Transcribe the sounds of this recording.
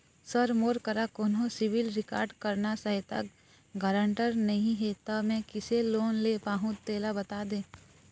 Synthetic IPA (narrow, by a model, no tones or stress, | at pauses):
sɐɾmoːɾkəɾakoːnɦõsɪʋɪlɾɪka̰ːɾɖkɐɾnasɐɦɛt̪ɐ̰k | ɡəːɾə̃ɳʈəɾnɐɦĩɦet̪ɐmɛ̃ːkɪseloːnlepaːɦũt̪eːlabɐt̪aːd̪ẽː